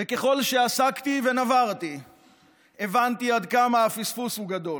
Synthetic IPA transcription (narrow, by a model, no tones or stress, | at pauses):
veke̞χo̞lʃe̞asakt̪ive̞navaʁt̪i | e̞vant̪iad̪kamaafisfushuɡad̪o̞l